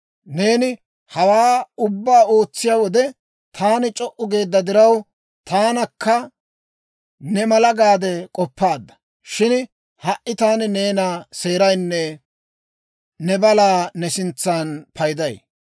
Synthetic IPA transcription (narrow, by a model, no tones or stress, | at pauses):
ne̞ːnɪ | hɐwaːʊbːaːo̞ːt͡sːɪjaːwɔd̪ɛ | t̪ʰaːnɪt͡ʃʼɔʔʊɡe̞ːd̪ːɐd̪ɪɾɐw | t̪aːnɐkːɐ | nɛmɐlɐɡaːd̪ɛkʼɔpːaːd̪ːɐ̥ | ʃɪn | hɐʔʔɪt̪aːnne̞ːnase̞ːɾɐjnːɛ | nɛbɐlaːnɛsɪnt͡sːaːnpʰɐjd̪ɐj